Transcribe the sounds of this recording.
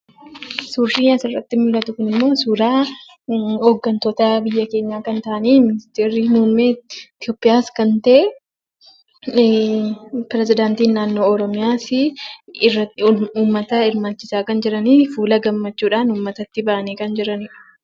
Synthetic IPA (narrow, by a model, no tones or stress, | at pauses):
suːɾʃiːɐsɪrːɐt̪ːɪmʊlːɐt̪ʊkʊnɪmːo̞ːsuːɾaː | ɔɡːɐnt̪ɔt̪ɐbɪjːɐke̞ːɲːaːkɐnt̪aʔɐniːmɪnɪst̪eːɾiːmuːmmːeːt̪ɪjo̞ːpʼːɪjaːskɐnt̪ɐʔe | pɪɾɛsɪd̪aːnt̪iːnːaːnːo̞ːɔɾɔmɪjaːsɪrːɐuːmːɐt̪ɐɪɾmaːt͡ʃːɪsaːkɐnd͡ʒɪɾɐniːfuːlɐɡɐmːɐt͡ʃːuːᶑaːnuːmːɐt̪ɐt̪ːɪbaʔɐniːkɐnd͡ʒɪɾɐniːᶑɐ̥